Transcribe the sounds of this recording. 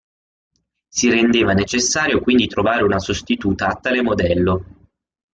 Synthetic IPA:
siɾend̪eːvanet͡ʃesːaːɾjokwind̪it̪ɾovaːɾeunasost̪it̪uːt̪aːt̪ːaːlemod̪ɛlːo

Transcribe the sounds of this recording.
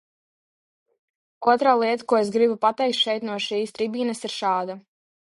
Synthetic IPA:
uɔt̪ɾaːlˠiɛt̪ḁkuɔesɡɾibupat̪ɛjk̚t̪ʃɛjt̪nuɔʃiːst̪ɾibiːnɐsiɾʃɑːd̪a

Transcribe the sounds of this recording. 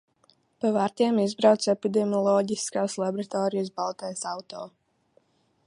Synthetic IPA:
pavaɾt̪ʲiɛmizbɾawt̪sepid̪ɛmʲiɔlˠɔːɟiskaːslˠabɾat̪ɔːɾijəsbalˠt̪ɛjsawt̪ɔː

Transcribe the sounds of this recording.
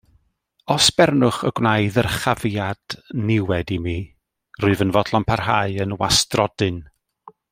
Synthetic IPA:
ɔsb̥ɛrnʊχə̰ɡwnaɨðərχavjad̥nɪwɛdimiː | rʊɨvənvɔdlˠɔmpʰarɦaɨənwa̰strɔd̥ɨn

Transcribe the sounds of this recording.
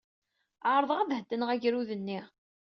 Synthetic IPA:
ʕɾˤəðˤʁæðhəd̪ːənəʁæʝɾuðənːiʁ

